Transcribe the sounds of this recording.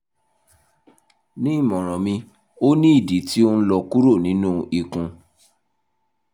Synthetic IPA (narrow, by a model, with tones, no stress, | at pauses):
nĩ˦˨mɔ̃˨ɾ̃ɔ̃˨mĩ˧ | o˦nĩ˦i˦˨di˨˦ti˦o˦n̩˦lɔ˧ku˦ɾo˦˨nĩ˦nũ˦i˨kũ˧